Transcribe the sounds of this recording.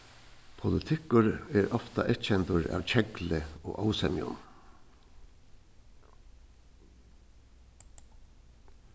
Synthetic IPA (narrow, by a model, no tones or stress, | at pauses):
pʰʊlət̪ʰɪkʊɹeːɾʔɔft̪ɑʔɛtc͡çɛnt̪ʊɹɑ̰ːʋc͡çɛɡləo̰ːʔɑʊsɛmɪʊ̰n